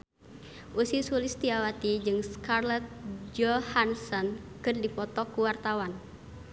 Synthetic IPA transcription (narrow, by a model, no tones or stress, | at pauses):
ʔusisulist̪iawat̪id͡ʒɨŋskarlɛt̪̚d͡ʒɔhansɔnkɨrdipɔt̪ɔkuwart̪awan